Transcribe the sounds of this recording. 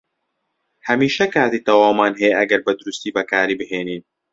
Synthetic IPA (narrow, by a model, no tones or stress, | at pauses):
hɐmiːʃɐkaːt̪iːt̪ɐwaːmaːnɦɛjeʔɐɡɐɾbɐd̪ʊɾust̪iːbɐkaːɾiːbɨɦeːniːn